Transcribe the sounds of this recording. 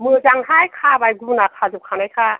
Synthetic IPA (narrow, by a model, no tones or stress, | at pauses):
mɯzaŋɦajkʰabajɡunakʰazup̚kʰanajkʰa